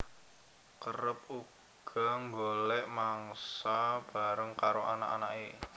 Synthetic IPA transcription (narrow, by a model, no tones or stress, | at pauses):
kəɾəp̚u | ɡ̥ɔ̤ŋɡolɛʔmaŋsab̥a̤ɾəŋkaɾoʔa̰na̰ʔa̰naʔe